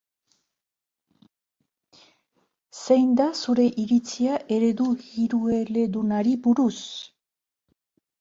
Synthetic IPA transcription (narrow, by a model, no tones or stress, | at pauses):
sejnd̪asuɾe̞ʔiɾit͡siaʔe̞ɾe̞ðuɣiɾue̞le̞ðunaɾibuɾus